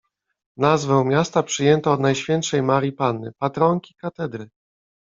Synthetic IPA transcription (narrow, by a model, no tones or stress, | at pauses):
nazvɛ̃w̃mʲjast̪apʂɘjɛnt̪ɔːd̪najɕfʲjɛnt̪ʂɛjmaɾʲipanːɘ̰pat̪ɾɔŋkʲi̥kat̪ɛd̪ɾɘ